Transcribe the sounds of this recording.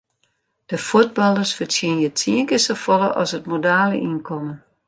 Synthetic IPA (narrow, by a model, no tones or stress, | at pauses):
d̥əfut̚bɑlˠərsfətjiənjətʰiəŋkəsəfɔləʔɔ̰shətmodaːlə̰ʔinkʰɔmən